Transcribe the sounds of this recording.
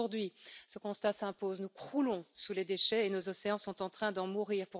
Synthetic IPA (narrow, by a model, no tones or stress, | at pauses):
uʁd̪ɥisəkɔ̃st̪asɛ̃poznukχulɔ̃suled̪eʃɛenozɔseɑ̃sɔ̃t̪ɑ̃t̪χɛ̃d̪ɑ̃muʁiːʁpu